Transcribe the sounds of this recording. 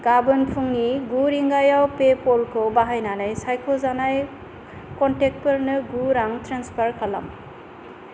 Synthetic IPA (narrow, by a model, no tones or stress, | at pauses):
ɡ̥abɯnpʰuŋniɡuɾiŋɡajawpepɔlkʰɯwbaɦajnanajsajkʰɔzanaj | kɔntek̚pɐɾnɯɡuɾaŋtɾanspʰaɾkala̰m